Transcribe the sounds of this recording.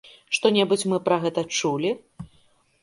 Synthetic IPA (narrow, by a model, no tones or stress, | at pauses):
ʂt̪ɔnʲɛbɨt͡sʲmɨpɾɐɣɛt̪ɐt͡ʂulʲi